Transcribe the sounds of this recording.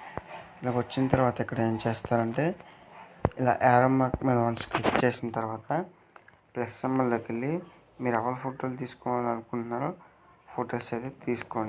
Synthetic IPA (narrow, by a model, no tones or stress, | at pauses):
ɪlaːkʋɐt͡ʃːinɐt̪ɐɾuʋaːt̪ɐikːɐɽɐeːmɐt͡ʃeːst̪aːɾɐɳʈe̞ː | ɪla̰ːʔeːɾomakmeːnɐʋɐnsklikt͡ʃeːsinɐt̪ɐɾuʋaːt̪ɐ | plɐsemːɐlloːkelːi | miːɾɛʋɐlupʰoːʈoːlt̪̬iːsu̥kɔːʋaːlɐnukuɳʈunaːɾoː | pʰoːʈoːseːt̪et̪iːsu̥koːɳii